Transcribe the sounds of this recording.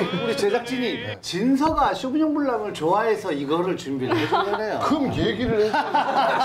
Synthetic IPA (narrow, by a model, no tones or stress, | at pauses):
uɾit͡ɕed͡ʑak̚t͡ɕ͈iɲi | t͡ɕinsʰʌɡaɕʰuɡuɲoŋbuɭːamɯɭt͡ɕoae̞sʰʌiɡʌɾɯɭt͡ɕumbied͡ʑnejokɯmkieɡiɾɯɭ